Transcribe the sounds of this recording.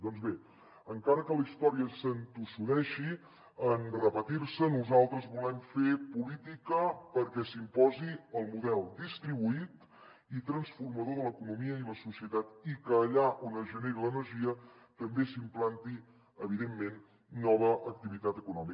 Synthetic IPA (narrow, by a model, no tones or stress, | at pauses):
d̪ɔnzβe | əŋkaɾəkəlist̪ɔɾiəsənt̪usuðɛʃi | ənrəpət̪iɾsənuzalˠt̪ɾəzβulɛmfepulit̪ikəpəɾkɛsimpɔziəlˠmuðɛlˠd̪ist̪ɾiβuit̪ | it̪ɾənsfurməðoðələkunumiəiləsusiət̪at̪ikəːʎaʔonəzʒəneɾilənəɾʒiət̪əmbesimplant̪i | əβ̞iðemːenː | ɔβ̞əʔək̚t̪iβit̪at̪əkunɔmi